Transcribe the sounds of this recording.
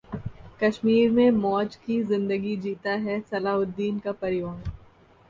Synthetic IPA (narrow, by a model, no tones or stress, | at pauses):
kɐʃmiːɾmẽmɔːt͡ʃkizɪ̃nd̪əɡid͡ʒiːt̪aɦɛsɐlaːɦʊd̪ːiːnkapɐɾɪjaːn